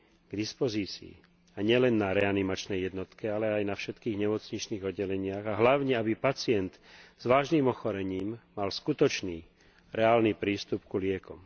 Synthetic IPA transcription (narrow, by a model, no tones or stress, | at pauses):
ɡd̪ispɔziːt͡sḭː | aɲɪɛlɛnːaɾɛanimat͡ʃnɛjːjɛd̪nɔt̪kɛalɛajnafʃɛt̪kiːɣɲɛmɔt͡sɲit͡ʃniːɣɔdːɛlɛɲɪaɣaɦlaʊɲɛabipat͡sɪɛnt̪z̥ʋaːʒniːmɔxɔɾɛɲiːmːalskut̪ɔt͡ʃniː | ɾɛaːlnipɾiːst̪upkulɪɛkɔm